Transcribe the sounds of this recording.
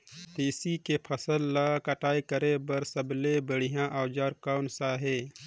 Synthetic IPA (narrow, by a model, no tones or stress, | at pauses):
t̪eːsikepʰɐsəlːakaʈaːikɐɾebɐɾsəblebəɽijãːʔaːwd͡ʒaːɾkaʊnsaːɦeː